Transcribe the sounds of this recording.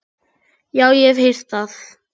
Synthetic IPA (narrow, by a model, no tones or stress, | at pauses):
jaːwjɛv̥hejr̥t̪θaθ